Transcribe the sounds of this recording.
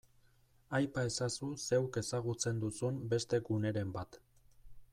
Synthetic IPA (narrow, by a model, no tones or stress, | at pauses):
ajpae̞sasuse̞wke̞saɣ̞ut͡se̞nd̪usumbe̞st̪e̞ɡune̞ɾe̞mbat̪